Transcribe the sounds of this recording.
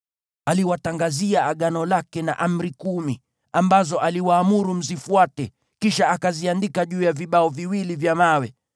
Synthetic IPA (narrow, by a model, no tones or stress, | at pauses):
aliwataŋɡaziaːɠanɔlakɛna̰ʔam̩ɾikumi | ambazɔʔaliwaːmuɾum̩zifuatɛ | kiʃaakaziandikaʄuːjaviɓaɔviwilivjamawɛ